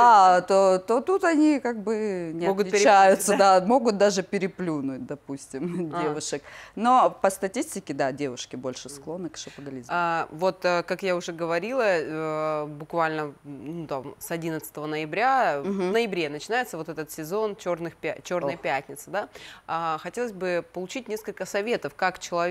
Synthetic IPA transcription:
at̪ot̪o̞t̪ut̪ɐnʲikaɡ̚bɨnʲɪɐɡʊlʲɪt͡ɕæjʊt̪səd̪amo̞ɡʊt̪̚d̪aʐɨpʲɪɾʲɪplʲunʊt̚ʲd̪ɐpusʲtʲɪmdʲevʊʂɨkno̞pəst̪ɐtʲisʲtʲɪkʲɪd̪adʲe̞vʊʂkʲɪbo̞lʲʂɨsklˠo̞nːɨkʂɨpəɡɐlʲizmavo̞t̪əkakjaʊʐɛɡəvɐɾʲilˠə | bʊkvalʲnənut̪amsɐdʲinət̪sɨt̪əvənəjɪbɾʲavnəjɪbɾʲe̞nət͡ɕɪnajɪt̪səvo̞t̪ɛt̪ət̪sʲɪzo̞nt͡ɕo̞rnɨxpʲt͡ɕo̞rnəjəpʲætʲnʲɪt̪sɨd̪aaxɐtʲelˠəsʲzʲbɨpəlˠʊt͡ɕitʲnʲe̞skəlʲkəsɐvʲe̞t̪əfkakt͡ɕɪlˠɐ

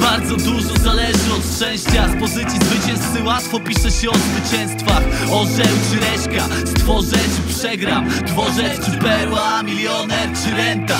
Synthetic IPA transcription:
baɾd̪zɔd̪uʐɔzalɛʐɨɔt̪ʂt͡ʂɛ̃w̃ɕt͡ɕaspɔzɘt̪sʲizvɘt͡ɕɛ̃w̃st̪ɨwat̪fɔpʲiʂɛɕɛɔzvɘt͡ɕɛ̃w̃st̪faxɔʐɛwt͡ʂɘɾɛɕka | st̪fɔʐɛt͡ɕpʂɛɡɾapt̪fɔʐɛtɨpɛɾwamʲiljɔnɛt͡ʂɘɾɛnt̪a

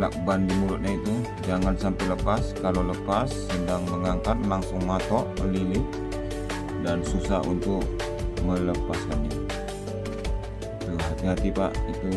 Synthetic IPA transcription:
la̰k̚bandimulʊt̪̚ɲait̪u | d͡ʒaŋansampɛləpaskaloləpasːədaŋməŋaŋkat̪̚laŋsʊŋmat̪ɔʔəlilɪh | dansusahṵnt̪ʊk̚ | mələpaskani | t̪uɦat̪iɦat̪ipa̰ʔit̪u

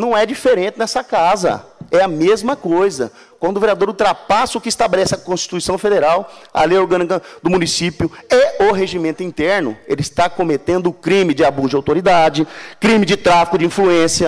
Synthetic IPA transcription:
nɐ̃w̃ɛd͡ʒifeɾẽnt͡ʃ̪ɪnɛsɐkazɐ̰ɛɐmezmɐkojzɐ̰ | kwɐ̃nd̪ʊveɾiad̪oɾʊt̪ɾapasʊʊkɪːst̪abelɛsɪɐkõsʃt͡ʃi̥t̪uisɐ̃w̃fed̪eɾawa̰lejoɾɡɐ̃nikɐd̪ʊmũnisipjʊeʊɦeʒimẽnt̪ʊĩnt̪ɛɾnʊ̰elɪist̪akomet̪ẽnd̪ʊkɾĩmɪd͡ʒɪabuzd͡ʒɪawt̪oɾid̪ad͡ʒɪkɾĩmɪd͡ʒɪt̪ɾafi̥kʊd͡ʒɪĩfluẽsjɐ

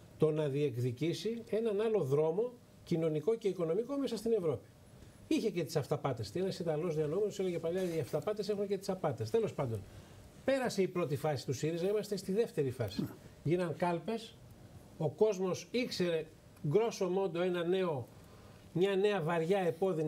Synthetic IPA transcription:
t̪o̞nɐðie̞kðicisie̞nɐnɐlo̞ðɾo̞mo̞ | cino̞niko̞ce̞iko̞no̞miko̞mesɐst̪ine̞vɾo̞pi̥ | içe̞ce̞t̪isɐft̪ɐpɐt̪e̞st̪ienɐsit̪d̪ɐlo̞zðiɐnoumenoseleʝepɐlɐiɐft̪ɐpɐt̪e̞se̞xunce̞t̪i̥sɐpɐt̪e̞st̪e̞lo̞spɐnd̪o̞n | pe̞ɾɐse̞ipɾo̞t̪ifɐsi̥st̪usiɾiznɐimɐst̪e̞st̪iðe̞ft̪e̞ɾifɐsiʝinɐŋkɐlpe̞s | o̞ko̞zmo̞sikse̞ɾe̞ | ɡɾo̞so̞mo̞nd̪o̞e̞nɐne̞o̞ | mɲɐne̞ɐvɐɾʝɐe̞po̞ðin

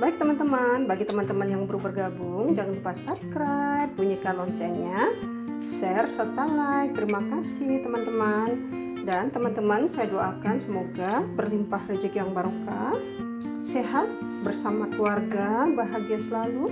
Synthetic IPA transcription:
baɪk̚t̪əmant̪əmanbaɡit̪əmant̪əmanjaŋbəɾubərɡabuŋd͡ʒaŋanpasab̚kɾajpːuɲakalɔɲt͡ʃɛɲa | sɛrsət̪alajt̪əɾimakasɪht̪əmant̪əman | dant̪əmant̪əmansajadoakansəmoɡabərlimpahred͡ʒəkjaŋbaɾoka | seɦat̪̚ | bərsamakluarɡabaɦaɡiasəlalu

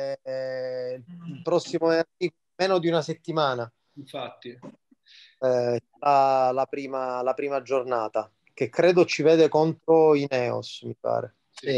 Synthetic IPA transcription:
ɛ | lpɾɔsːimort̪iːv | meːnod̪iunaset̪ːimaːna | fat̪ːi | ɛsaɾalapɾiːmalapɾiːmad͡ʒornaːt̪a | k̟ekːɾeːd̪ot͡ʃivɛːd̪ekont̪ɾoinɛːo̰smipa̰ːɾḛ

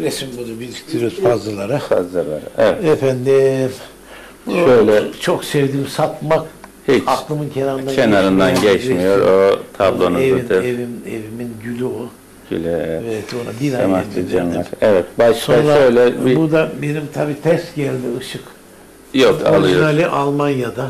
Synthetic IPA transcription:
ɾesimbunubilict̪ʰeɾøzfazlˠalˠaɾɯfazlˠalˠaɾɛvɛɛfænd̪im | buʃøjlʲɛt͡ʃʰoksɛvd̪iːmsat̪makhit͡ʃaklˠɯmɯncʰenaɾɯnd̪aenaɾɯnd̪anɟɛt͡ʃmijo̞ɾot̪ʰablˠo̞nuezɯid̪ɯevimeviminɟylʲyo | ɟy̰lʲyɛɛvɛt̪bonad̪inaamaslˠid͡ʒamlʲaɾɛvɛt̪baʃsoanɾaøjlʲɛbibud̪abenimt̪ʰabiːt̪ʰɛst̪ɟælʲd̪iɯʃɯk | joka̰lˠɯjonalʲiʔalˠmanjad̪a

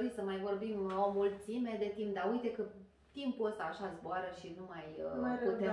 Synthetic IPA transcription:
ɾijsəmajvo̞rbimomult̪sime̞d̪e̞t̪imp̚d̪aujt̪e̞kə | t̪impuəst̪aːʃazboaɾəʃinumajut̪e

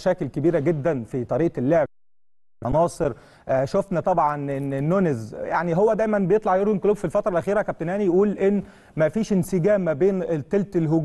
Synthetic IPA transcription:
ʃæːkelkebiːɾæɡed̪ːænfit̪ˤɑɾiːʔelːeʕ | ɑnɑːsˤeɾ | ʔʃofnæt̪ˤɑbʕɑnenːenːonezjaʕniɦowːæd̪æːjmænbejet̪ˤlɑʕjoɾɡonkoloːbfilfɑt̪ɾˤɑlʔæxiːɾækæb̚t̪enʔæːnijʔuːlʔenː | mæfiːʃenseɡæːmːæbeːnt̪ːelt̪elɦoɡ

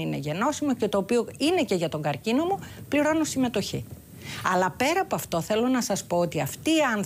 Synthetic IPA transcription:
ine̞ʝe̞no̞simo̞ce̞t̪o̞ːpio̞ine̞ce̞ʝɐt̪o̞ŋɡɐɾcino̞mupliɾo̞no̞sime̞t̪o̞çḭ | ɐlɐpe̞ɾɐpoɐft̪o̞θe̞lonɐsɐspo̞ot̪iɐft̪iːɐnθ

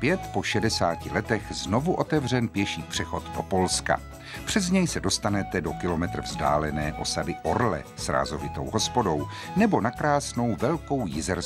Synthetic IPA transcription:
pjɛt̪po̞ʃɛdɛsaːcɪlɛt̪ɛxzno̞vuʔo̞t̪ɛvr̝ɛnpjɛʃiːpr̝̥ɛxo̞t̪do̞̰po̞lska̰ | pr̝̥ɛzɲɛjsɛdo̞st̪anɛt̪ɛdo̞kɪlo̞mɛt̪ɾ̩vzda̰ːlɛnɛːʔo̞sadɪʔo̞ɾlɛ̰sɾa̰ːzo̞vɪt̪o̞̰wɦo̞spo̞do̞w | nɛbo̞nakɾaːsno̞wvɛlko̞wjɪzɛɾs

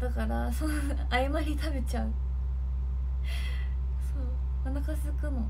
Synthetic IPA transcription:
d̪̥akaɾaso | aimaçʲit̪ʰabe̞t͡ɕãŋ | soː | anakasɨkɯno

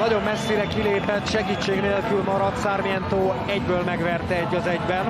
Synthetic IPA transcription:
nɒɟo̞mːɛsːiɾɛkileːpɛt̪ʃɛɡiːt͡ʃːeːɡneːlkylmɒɾɒt̪saːrmijɛnt̪oː | ɛɟbøːlmɛɡʋɛrt̪ɛɛɟːɒzɛɟbɛn

